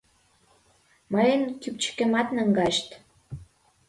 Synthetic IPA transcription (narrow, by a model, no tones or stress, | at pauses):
məjənkyp̚t͡ɕə̥kĕmɑt̪nəŋɡɑʃt̪